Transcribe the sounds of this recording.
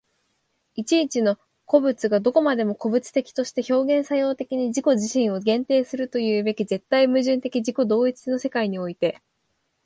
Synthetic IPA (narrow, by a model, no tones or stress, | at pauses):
it͡ɕiːt͡ɕino̞ | ko̞bɯ̟t͡sɨɡad̪o̞ko̞mad̪e̞mo̞ko̞bɯ̟t͡sɨ̥t̪e̞kʲi̥t̪o̞ɕi̥t̪e̞ço̞ːɡẽ̞ɰ̃sajo̞ːt̪e̞kʲiɲ̟iʑiko̞ʑiɕĩɰ̃o̞ɡẽ̞nt̪e̞ːsɨɾɯ̟t̪o̞jɯ̟ːbe̞kʲize̞t̪ːaimɯ̟ʑɨ̃nt̪e̞kʲiʑiko̞d̪o̞ːit͡sɨ̥no̞se̞kaiɲ̟io̞it̪e̞